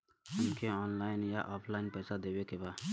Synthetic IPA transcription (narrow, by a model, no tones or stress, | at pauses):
ɦəmkʰeɔːnlaɪnjaʔɔːpʰlaɪnpɛjsad̪ebekeba